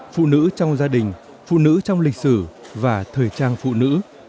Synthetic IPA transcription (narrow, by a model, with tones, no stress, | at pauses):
fṵ˧˨nɨ̰˧˥t͡ɕɔ˧wŋ͡mzaː˧ɗï˨˩ŋ̟ | fṵ˧˨nɨ̰˧˥t͡ɕɔ˧wŋ͡mli˨˩k̟̚sɨ˧˩vaː˨˩t̪ʰəː˨˩jt͡ɕaː˧nfṵ˧˨nɨ̰˧˥